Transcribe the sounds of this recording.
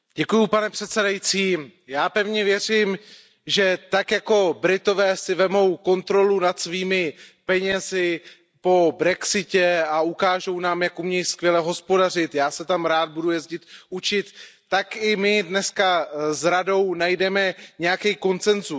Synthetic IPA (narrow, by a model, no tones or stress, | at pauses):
ɟ̥ɛkujupanɛpr̝̥ɛt̪sɛdajit͡siːjaːpɛvɲɛvjɛr̝im | ʒɛt̪akjako̞bɾɪt̪o̞vɛːsɪvɛmo̞wko̞nt̪ɾo̞lunat̪sviːmɪpɛɲɛzɪ | po̞bɾɛksɪcɛaukaːʒo̞wnaːmjakumɲɛjskvjɛlɛɦo̞spo̞dar̝ɪt̪jaːsɛt̪amɾaːd̪̚budujɛzɟɪt̪ut͡ʃɪt̪ː | akɪmɪdnɛskazɾado̞wnajdɛmɛɲɛjakɛjko̞nt͡sɛnzu